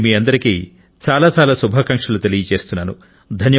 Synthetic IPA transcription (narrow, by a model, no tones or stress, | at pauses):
miːɐnd̪ɐɾikiː | t͡ʃaːlaːt͡ʃaːlaːsubʱaːkɐŋʂɐlut̪elijɐt͡ʃe̞ːst̪unːaːnu | d̪ʱɐnjɐ